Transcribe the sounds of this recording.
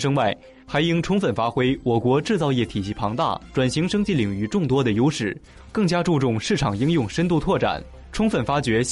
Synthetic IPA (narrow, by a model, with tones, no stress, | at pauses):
ʂɤ˥ŋwa˥˩ɪ | xa˧˥ɪi˥ŋʈ͡ʂʰʊ˥ŋfə˨˩nfa˥xwe˥ɪwɔ˨˩kwɔ˧˥ʈ͡ʂɻ̩˥˧t͡sɑ˥˧ʊjɛ˥˩t̪ʰi˨˩ɕi˥˩pʰɑ˧˥ŋt̪a̰˥˩ʈ͡ʂwa˨˩nɕi˧˥ŋʂɤ˥ŋt͡ɕi˥˩li˨˩ŋy˥˧ʈ͡ʂʊ˥˩ŋt̪wɔ˥d̪ə˨jo˥ʊʂɻ̩˥˩ | kɤ˥˩ŋt͡ɕja˥ʈ͡ʂu˥˧ʈ͡ʂʊ˥˧ŋʂɻ̩˥˩ʈ͡ʂʰɑ˨˩ŋi˥ŋjʊ˥˧ŋʂə˥nt̪u˥˧t̪ʰwɔ˥˩ʈ͡ʂa̰˨˩˦n | ʈ͡ʂʰʊ˥ŋfə˨˩nfa˥t͡ɕɥɛ˧˥